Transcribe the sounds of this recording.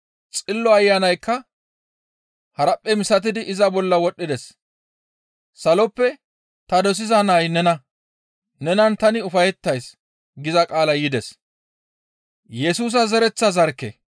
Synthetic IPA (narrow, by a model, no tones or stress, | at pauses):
t͡sʼɪlːɔɐjːanɐjkːɐ | hɐɾɐpʼːɛmɪsɐt̪̬ɪd̪ɪʔɪzɐbɔlːɐwɔɗːɪd̪ɛs | sɐlɔpːɛ | t̪ɐd̪ɔs̬ɪzɐnɐjnɛnɐ | nɛnɐnt̪ɐnɪʊfɐjɛt̪ːɐjs | ɡɪzɐkʼaːlɐjɪd̪ɛs | jɛsuːs̬ɐzɛɾɛt͡sːɐzɐɾkːḛ